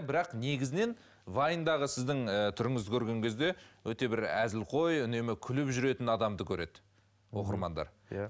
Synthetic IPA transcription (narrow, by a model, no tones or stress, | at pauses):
bɪɾɑqne̞ɡʲɪzɪne̞n | vɑjnd̪ɑʁəsɪzd̪ɪŋət̪ʰʏɾɪŋɪzɪkʲʰɵɾɡʲe̞ŋɡʲʰe̞zd̪e̞wɵt̪e̞bɪɾæ̰zɪlqʰo̞jʏne̞mɪkʲʰʏlɪpʒʏɾe̞t̪ɪnɑd̪ɑmd̪əkʲʰɵɾe̞̰d̪̥ɪ | wo̞qəɾmɑnd̪ɑ̰ɾ